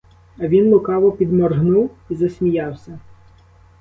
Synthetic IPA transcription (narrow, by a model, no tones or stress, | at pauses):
ɐʋʲinlˠʊkɑʋɔpʲid̪mɔrɦnuwizɐsʲmʲijɑwsʲɐ